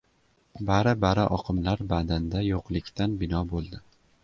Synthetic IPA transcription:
baɾɪbaɾɪʔɒqʰɨmlaɾbad̪and̪ajoqlˠɪkʲt̪ʰanbɪnɒbolˠd̪ɪ

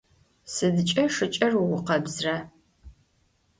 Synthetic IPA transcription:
sɨdɨt͡ʃʼɐʂɨt͡ʃʼɐruwʊqɐbzrɐ

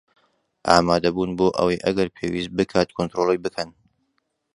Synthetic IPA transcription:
ʔaːmaːd̪ɐbuːnboːʔɐ̰wɐjʔɐɡɐɾpʰeːwiːst̪̚bɨkʰaːt̪kʰont̪ɾoːlˠejbɨkʰɐn

